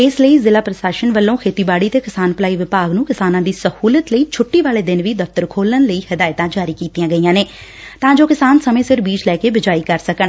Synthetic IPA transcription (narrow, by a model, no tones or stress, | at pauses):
ɪsləiːzɪlaːpɾəsaːʃənʋəlːõːkʰeːt̪iːbaːɽiːt̪eːkɪsaːnpəlaːiːʋɪpaːɡnũːkɪsaːnãːd̪iːsəhuːlət̪ləiːt͡ʃʰʊʈːiːʋaːleːd̪ɪnʋiːd̪əft̪əɾkʰoːlənləiːhəd̪aːɪt̪ãːd͡ʒaːɾiːkiːt̪ijãːɡəiːãːneː | t̪ãːd͡ʒoːkɪsaːnsəmẽːsɪɾbiːd͡ʒlɛːkeːbɪd͡ʒaːiːkəɾsəkəɳ